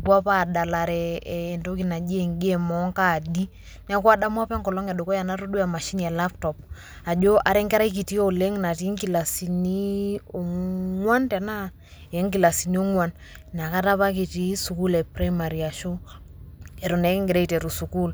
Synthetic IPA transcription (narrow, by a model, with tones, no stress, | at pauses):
pwa˦pa˨da˨la˨ɾɛː˨nto˦ki˨na˨d͡ʒe˨ŋɡe˦mɔ˨˦ŋka˦˨di˦ | n˦a˦kwa˦da˦mwa˦pɛ˦ŋkɔ˨lɔ˦ŋɛ˨ɗo˨ko˦ja˨na˦ɾo˦du˦a˨ma˨ʃi˦niɛ˨la˦p̚tɔ˨p̚ | a˨d͡ʒo˦ʔa˨ɾɛ˦ŋkɛ˦ɾa˦i˦k̬i˨ti˦o˨le˦ŋna˨ti˦ŋki˨la˨si˨ni˦o˨ŋŋwa˦ntɛ˨na˦ | e˨˦ŋki˨la˨si˨ni˦o˦ŋwa˦n | na˨ka˦ta˦pa˦k̬i˨ti˦su˨ku˦lɛ˨pɾa˦ma˨ɾi˨a˨ʃo˦ | ɛ˨ɾo˨nɛ˨˦kŋɡɾe˦i˦tɛ˨ɾu˨su˨ku˦l